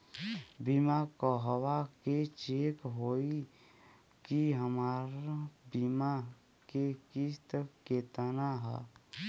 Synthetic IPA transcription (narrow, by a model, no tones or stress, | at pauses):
bimakɔɦəwaket͡ʃekɦoi | kiɦəmaɾbima | kekist̪əkket̪ənaɦɛ̰